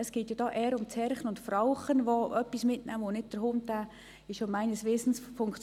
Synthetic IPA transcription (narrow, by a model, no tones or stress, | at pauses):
əsɡ̥eːtjɑd̥ɑːʔɛːɾʊmt͡sɛɾχənʊntfɾɑʊχənʋoœpːismɪtnæmonɪt̚d̥əɾhʊmtæ | ɪʃomæɪnəsʋɪsn̩sfʊŋkt͡s